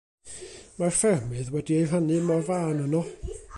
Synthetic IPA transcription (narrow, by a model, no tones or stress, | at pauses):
marfɛrmɨðwɛdiejɦənɨmɔrvaːnənɔ